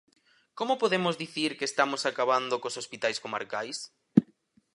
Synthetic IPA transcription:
komopoðemozðiθiɾkest̪amosakaβand̪okosospit̪ajskoma̰ɾkajs

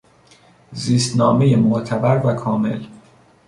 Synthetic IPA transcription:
ziːst̪nɒːme̞jemoʔt̪ʰæbæɾvækʰɒːme̞̰l

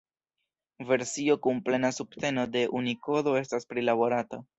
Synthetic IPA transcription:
ve̞ɾsio̞kumple̞nasupte̞no̞de̞ʔuniko̞do̞e̞staspɾilabo̞ɾata

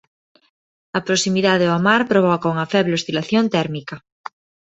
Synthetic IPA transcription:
ɐpɾosimiðaðeoamaɾpɾoβ̞ɔkauŋɐfɛβleost̪ilaθjont̪ɛɾmikɐ

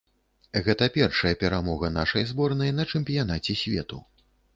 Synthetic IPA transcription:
ɣɛt̪ɐpʲɛrʂɐjɐpʲɛɾamɔɣɐnaʂɐjzbɔrnɐjnɐt͡ʂɛmʲpʲijanat͡sʲɛsʲvʲɛ̰t̪u

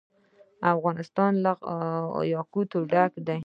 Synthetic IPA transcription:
afɣɑnɪst̪ɑnla | jɑkut̪oɖakd̪aj

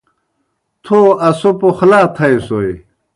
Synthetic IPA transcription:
t̪ʰoːɐsopoxlaːt̪ʰɐesoi

